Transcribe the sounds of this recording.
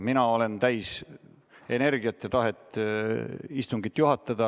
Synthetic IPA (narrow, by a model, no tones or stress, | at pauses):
minɑo̞le̞nt̪æjs | e̞ne̞rɡ̥iɑt̪ːˑjɑt̪ɑɦet̪ːˑ | ist̪uŋɡit̪ːˑjuɦɑt̪ːˑɑd̪̥ɑ